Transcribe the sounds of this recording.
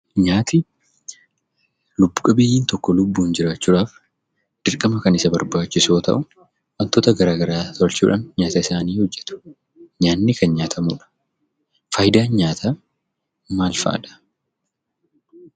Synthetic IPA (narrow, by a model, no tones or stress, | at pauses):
ɲaːt̪ɪ | lʊbːʊkʼɐbejiːnt̪ɔkːɔlʊbːuːnd͡ʒɪɾaːt͡ʃːuːᶑaːf | d̪̥ɪɾkʼɐmɐkɐnɪsɐbɐɾbaːt͡ʃːɪsoːt̪ɐ̰ʔʊ | ʔɐnt̪ɔt̪ɐɡɐɾaːɡɐɾaːt̪ɔlt͡ʃuːᶑa̰ːnɲaːt̪ɐɪsaːniːhɔd͡ʒːɛt̪ʊ̥ | ɲaːnːɪkɐnɲaːt̪ʰɐmuːᶑɐ̥ | fɐːjd̪aːnɲaːt̪ʰɐ | maːlfa̰ːᶑɐ̥